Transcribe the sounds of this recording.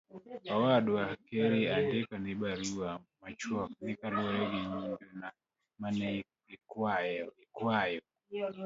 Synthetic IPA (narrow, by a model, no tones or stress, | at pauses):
awadwakɛɾiandikaniɓaɾuamat͡ʃɔknikaluajɛɡiɲiduna | manɛ | ikwajɛikwajɔ